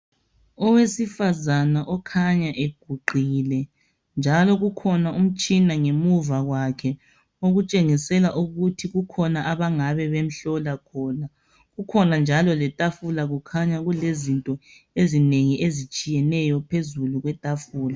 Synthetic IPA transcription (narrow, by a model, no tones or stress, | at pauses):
ɔwesifazanaʔɔkʰaɲaʔeɡ̥ʱuɡ͡ǃʱiːlɛ | nd͡ʒʱalɔɣukʰɔnaum̩t͡ʃʼinaŋemuvaɣwakʰɛ | oɣut͡ʃʼeŋisɛlaʔuɣutʰiɣukʰɔnaʔaβaŋaβɛβem̩ɬɔlakʰɔːna | ɣukʰɔnand͡ʒʱalɔlɛtʼafulaɣukʰaɲaɣulezintʼɔ | ezineŋiʔezit͡ʃʼijɛnɛjɔpʰezuluɣwɛtʼafuːla